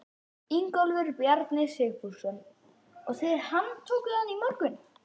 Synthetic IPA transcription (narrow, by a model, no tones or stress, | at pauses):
iŋkɔlvʏɾpjaɾt̪nɪsɪːpusʏm | ɔɣθɛɾhanːt̪ʰoːkʏðanimɔɾkʏn